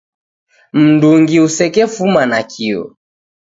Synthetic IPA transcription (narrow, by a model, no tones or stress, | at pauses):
m̩nduŋɡiusɛkɛfumanakʰiɔ̰